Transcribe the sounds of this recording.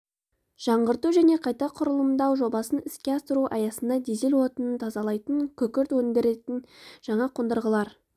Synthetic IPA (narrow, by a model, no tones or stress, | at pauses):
ʒ̥ɑɴɢəɾt̪uʒæne̞qʰɑjt̪ɑqʰʊɾəlˠəmd̪ɑwʒo̞bɑsənɪskʲe̞ɑst̪əɾuʔɑjɑsənd̪ɑd̪eze̞lwo̞t̪ənənt̪ʰɑzɑlˠɑjt̪əŋkʲʰɵkʲɪɾt̪wɵŋd̪eɾe̞t̪ɪnʒ̥ɑɴɑqʰond̪əɾʁəlˠɑɾ